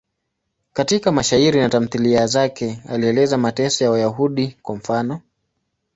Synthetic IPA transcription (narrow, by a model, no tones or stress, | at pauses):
katikamaʃaiɾinatam̩θiliazakɛa̰liɛlɛzamatɛsɔjawajaɦuɗikwam̩fanɔ